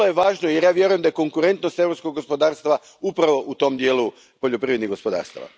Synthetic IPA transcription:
ojeʋaːʒnojeɾjaːʋje̞ɾuje̞md̪ajeko̞ŋkuɾe̞nt̪no̞st̪eɾopskoɡ̚ospo̞d̪aːɾst̪ʋa | upɾaʋo̞ʔut̪o̞md̪jeːlu | po̞ʎopɾiʋɾed̪niɡo̞spo̞d̪a̰ːɾst̪a̰ʋa̰

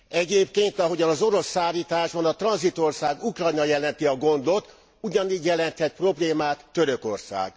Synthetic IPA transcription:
ɛɟeːpkeːnt̪ɒɦo̞ɟɒnɒzo̞ɾo̞sːaːliːt̪aːʒbɒnɒt̪rɒnzit̪o̞rsaːɡukrɒjnɒjɛlɛnt̪iɒɡo̞nd̪o̞t̪ | uɟɒniːɟjɛlɛnt̪hɛt̪pro̞bleːmaːt̪ːø̞ɾø̞ko̞̰rsa̰ːɡ̥

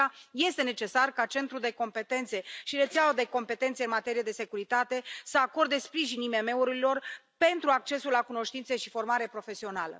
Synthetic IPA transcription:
aje̞st̪e̞ne̞t͡ʃe̞sarkat͡ʃe̞nt̪ɾuld̪e̞ko̞mpe̞t̪e̞nt̪se̞ʃiɾe̞t̪saod̪e̞ko̞mpe̞t̪e̞nt̪seɨnmat̪e̞ɾijed̪e̞se̞kuɾit̪at̪e̞səako̞rd̪e̞spɾiʒinime̞me̞uɾilo̞rpe̞nt̪ɾuak̚t͡ʃe̞sulːakuno̞ʃt̪int̪seʃifo̞rmaɾe̞pɾo̞fe̞sio̞nalə̰

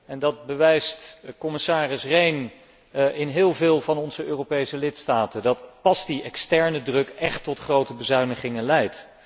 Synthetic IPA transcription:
ɛndɑd̚bəʋɛjstkɔmɪsaːrɪsrejn | ʔɪnɦɪːlˠvɪːlˠvɑnɔnzəøːrowpejsəlɪtstaːtədɑtpɑsd̥iɛkstɛɹnədrɵkɛχtːɔtχrowtəbəzœɥnəχɪŋənlɛjt

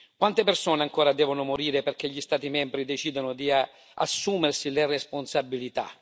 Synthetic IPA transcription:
kwant̪epersɔːneaŋkɔːɾad̪ɛːvʊnʊmoɾiːɾeperk̟eʎːist̪aːt̪imɛmbɾid̪et͡ʃiːd̪onʊd̪ia | a̰sːuːmersileresponsabːilit̪a̰

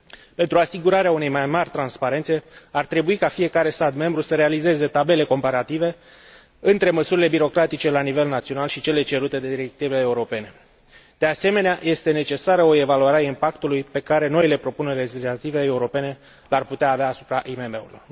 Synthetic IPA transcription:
pe̞nt̪ɾuasiɡuɾaɾeaune̞jmajmarʲt̪ɾanspaɾe̞nt̪se̞art̪ɾe̞buikafije̞kaɾe̞st̪at̪me̞mbɾusəɾe̞alize̞ze̞t̪abe̞le̞ko̞mpaɾat̪ive̞ | ɨnt̪ɾe̞məsuɾile̞biɾo̞kɾat̪it͡ʃe̞lanive̞lnat̪sio̞nalʃit͡ʃe̞le̞t͡ʃe̞ɾut̪e̞d̪e̞d̪iɾe̞k̚t̪iveleeuɾo̞pe̞ne̞ | d̪̥e̞ase̞me̞neaje̞st̪e̞ne̞t͡ʃe̞saɾəoe̞valuaɾʲaimpakt̪ulujpe̞kaɾe̞no̞ile̞pɾo̞pune̞rʲle̞d͡ʒislat̪ive̞ːuɾo̞pe̞ne̞ | larput̪eaːveaːsu̥pɾaʔimeme̞ṵilo̰r

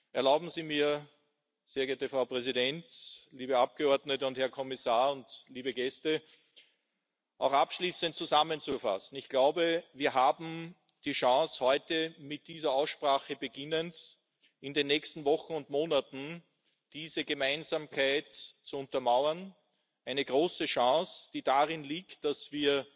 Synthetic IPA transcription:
ʔɛɐlaʊbm̩ziːmiːɐ | z̥eːɐɡeɐtəfʁaʊpʁɛzidɛntliːbəap̚ɡ̥əɔɐdnətəʊnthɛɐkʰɔmɪsaːɐʊntliːbəɡɛstə | ʔɑ̰ʊxapʃliːsənt̚t͡sːuzamənt͡sufa̰sn̩ɪçɡ̥laʊbəviːɐɦaːbm̩ | d̥iːʃɑ̃ŋshɔʏtəmɪt̚d̥iːzɐaʊsʃpʁaːχəbəɡɪnənt | ɪndenːɛːçstn̩vɔxn̩ʊntmoːnatn̩ | d̥iːzəɡəmæ̃ɪnzaːmkʰaɪtt͡suʊ̃ntɐmaʊɐn | ʔæɪnəɡ̥ʁoːsəʃɑ̃sd̥iːdaʁɪnliːktd̥asv̥iːɐ

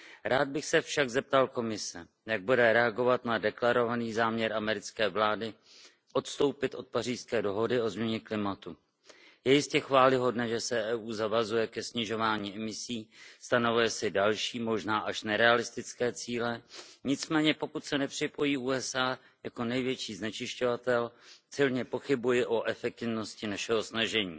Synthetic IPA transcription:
ɾʔaːd̪̚bɪxsɛfʃaɡzɛp̚t̪alko̞mɪsɛ | jaɡ̚budɛɾɛaɡo̞vat̪nadɛklaɾo̞vaniːzaːmɲɛɾʔamɛɾɪt͡skɛːvlaːdɪ | ʔo̞t̪st̪o̞wpɪt̪ʔo̞t̪̚pariːskɛːdo̞ɦo̞dɪo̞zmɲɛɲɛklɪmat̪u | jɛjɪscɛxvaːlɪɦo̞dnɛːʒɛsɛʔɛːʔuːzavazujɛkɛsɲɪʒo̞vaːɲiːʔɛmɪsiːst̪anovujɛsɪdalʃiːmo̞ʒnaːʔaʃnɛɾɛalɪst̪ɪt͡skɛːt͡siːlɛɲɪt͡smɛːɲɛpo̞kut̪sɛnɛpr̝̥ɪpo̞jiːʔuːɛsʔaː | jako̞nɛjvjɛt͡ʃiːznɛt͡ʃɪʃco̞vat̪ɛlsɪlɲɛpo̞xɪbujɪʔo̞ʔɛfɛk̚t̪ɪvno̞scɪnaʃɛɦo̞snaʒɛɲiː

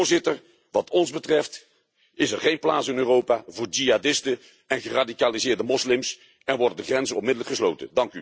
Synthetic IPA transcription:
ɹzɪtəɹ | ʋɑtʰɔnzbətrɛft | ɪsɛrɹχejnplaːtsɪnøːrowpaːvʊːɹd͡ʒiɦadɪstə | ɛnχəraːdikaːlizɪːɹdəmɔslɪms | ɛnʋɔɹdədəχrɛnzənɔnmɪdələkχəslowtə̰dɑŋky

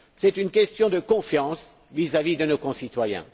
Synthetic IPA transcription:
sɛt̪ynkʲɛst̪jɔ̃d̪əkɔ̃fjɑ̃s | vizavid̪ənokɔ̃sit̪wajɛ̰̃

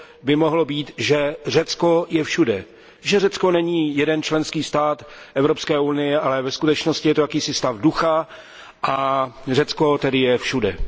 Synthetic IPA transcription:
bɪmoɦlo̞biːt̪ʒɛr̝ɛt͡sko̞jɛfʃudɛ | ʒɛrɛt͡sko̞nɛɲiːjɛdɛnt͡ʃlɛnskiːst̪aːt̪ʔɛvɾopskɛːʔunɪjɛʔalɛvɛskut̪ɛt͡ʃnoscɪjɛt̪ojakiːsɪst̪avduxa | ʔarɛt͡sko̞t̪ɛdɪjɛfʃudɛ̰

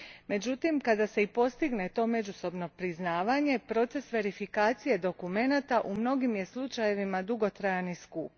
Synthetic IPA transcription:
me̞d͡ʒut̪imkad̪ase̞ipo̞st̪iɡne̞t̪o̞ːme̞d͡ʒuso̞bno̞pɾiznaːʋaɲe̞pɾo̞t̪se̞sʋe̞ɾifikaːt̪sije̞d̪o̞kume̞nat̪aʔumno̞ɡimje̞slˠut͡ʃaje̞ʋimad̪uɡo̞t̪ɾajaniskuːp

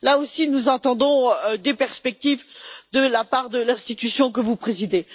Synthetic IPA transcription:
laosinuzɑ̃t̪ɑ̃d̪ɔ̃d̪epɛʁspɛk̚t̪ivd̪əlapaʁd̪əlɛ̃st̪it̪ysjɔ̃k̬əvupχezid̪e

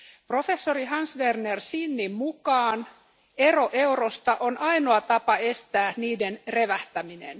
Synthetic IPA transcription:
pro̞fe̞sːoriɦɑnsʋernersinːimmukɑːn | e̞ro̞ʔe̞wrost̪ɑʔonʔɑinoɑt̪ɑpɑest̪æːniːdenre̞ʋæht̪æminḛn

